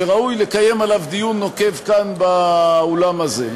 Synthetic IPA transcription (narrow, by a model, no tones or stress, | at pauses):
eʁaujle̞kaje̞malavd̪ijunːo̞ke̞vkanbaolamaze